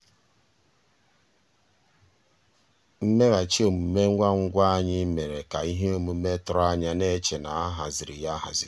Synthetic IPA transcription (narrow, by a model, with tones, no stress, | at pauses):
m̩˦me˦ɣa˨t͡ʃe˦o˨mu˨me˦a˦ŋ̩˦ɡʷa˦a˦ɲɪ˦me˨ɾe˨ka˨i˦ɦe˦o˦mu˨me˦tʊ˦ɾa˦ɲa˦ne˦t͡ʃe˨na˨a˦ɦa˨zɪ˨ɾḭ˨ja˦ɦa̰˨zɪ˨ɾi˨